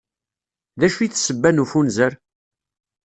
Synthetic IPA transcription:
ðæʃuiθsəbːænufunzəɾ

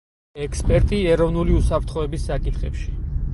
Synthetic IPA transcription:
ɛkʰspʼɛɾt̪ʼiɛɾɔvnuliusapʰɾt̪ʰχɔɛbisːakʼit̪χɛ̰pʃi

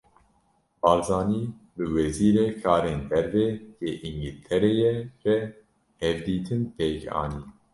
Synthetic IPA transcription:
bɑːlzɑːniː | bɨwɛziːɾɛkʰɑːɾeːnd̪ɛɾveːjeːʔiŋɡɨlt̪ʰɛɾeːjɛʒɛ | hɛvd̪iːt̪ʰɨnpʰeːkɑ̰ːniː

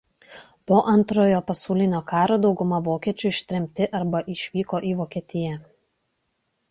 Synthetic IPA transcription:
poːʔɐnt̪ɾoːjoːpɐsɔʊlʲɪnʲoːkɑːɾoːd̪ɒʊɡʊmɐʋoːkʲiɛt͡ʃʲʊɪʃʲt̪ʲɾʲɛmʲt̪ʲɪʔɐɾbɐʔɪʃʲʋʲiːkoːʔiːʋoːkʲiɛt̪ʲɪjɛ

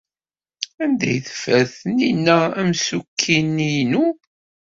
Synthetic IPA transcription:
ænd̪æ̰jθə̥fæθəninːææmsukʰːinːijnu

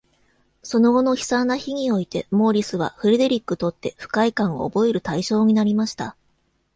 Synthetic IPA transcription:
so̞no̞ɡo̞no̞çi̥sãnːaçiɲ̟io̞it̪e̞mo̞ːɾʲisɨβ̞a̰ɸɯ̟ɾe̞d̪e̞ɾʲikːɯ̟t̪o̞t̪ːe̞ɸɯ̟̥kaikãɰ̃o̰o̰bo̞e̞ɾɯ̟t̪aiɕo̞ːɲ̟inaɾʲimaɕi̥t̪a

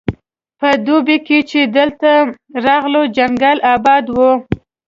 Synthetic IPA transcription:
pəd̪obeket͡ʃed̪əlt̪a | ɾɑɣlod͡ʒaŋɡalɑbɑd̪wu

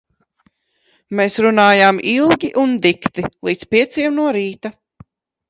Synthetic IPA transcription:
meːsɾunaːjaːmilˠɡʲiʔund̪ikt̪ilˠiːt̪spiɛt̪siɛmnuɔɾiːt̪a

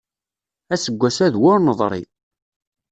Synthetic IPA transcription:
æsəɡʷːæsæðwʊɾnəðˤɾˤḭ

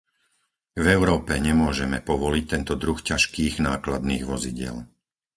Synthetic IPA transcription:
vɛʊɾɔːpɛɲɛmʊɔʒɛmɛpɔʋɔlic̚t̪ɛnt̪ɔd̪ɾuxcaʃkiːɣnaːklad̪niːɣʋɔziɟɪɛ̰l

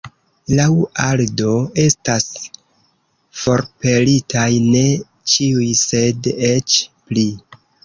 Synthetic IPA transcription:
lawaldo̞e̞stas | fo̞ɾpe̞litʰajne̞ | t͡ʃiujse̞det͡ʃpli

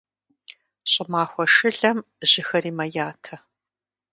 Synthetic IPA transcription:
ɕʼɪmaːxʷɔʂɨɮɐmʑ̥ɪxɐɾiːmɐjaːtʰɐ

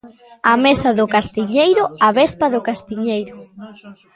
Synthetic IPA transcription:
amesaðʊkast̪iɲejɾʊaβespaðʊkast̪iɲejɾʊ

